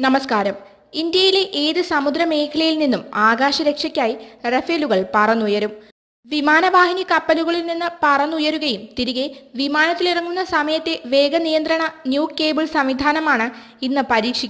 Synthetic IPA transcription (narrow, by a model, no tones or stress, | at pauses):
nɐmɐskaːɾɐm | ind̪jɐjile̞ʔeːðɨsɐmud̪ɾɐme̞ːkʰɐlɐjilninːumaːɡaːɕɐɾe̞kʂɐkʲːaːjirefeluɣɐɭpɐrɐnːujɐɾum | ʋimaːnɐʋaːhinikɐpːɐluɣɐɭilninːɨpɐrɐnːujɐɾuɣɐjumt̪iɾiɣeʋimaːnɐt̪ːilirɐŋːunːɐsɐmɐjɐt̪ːe̞ʋe̞ːɡɐnijɐnd̪ɾɐɳɐnjuːkːeːbɨɭsɐmʋid̪ʱaːnɐmaːɳɨ | inːɨpɐɾiːkʂikʲːu